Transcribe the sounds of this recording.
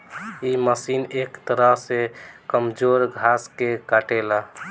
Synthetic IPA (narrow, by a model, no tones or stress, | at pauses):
iməsinekt̪əɾəɦsekəmd͡ʒoɾɡʱaskekaʈela